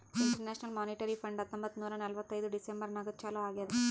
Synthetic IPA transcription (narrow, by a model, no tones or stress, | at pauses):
iɳʈɐɾneːʃnɐlmaːniʈɐɾipʰɐɳɖɐt̪ːombɐt̪ːunuːɾɐnɐlʋɐt̪ːɐjd̪uɖisembɐɾnɐɡɐt͡ʃaːluaːɡijɐd̪